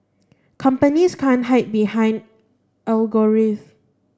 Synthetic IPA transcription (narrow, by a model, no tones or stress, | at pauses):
kʰãmpəniskʰãnɦaɪt̚bihãj̃nd | ʔalɡoɹif